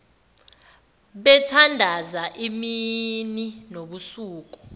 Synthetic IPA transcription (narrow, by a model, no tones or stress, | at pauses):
ɓɛtʰandʱazaʔimininoɓusuːk̬u̥